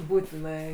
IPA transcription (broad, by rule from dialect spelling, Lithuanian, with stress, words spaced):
ˈbuːtʲɪnɐɪ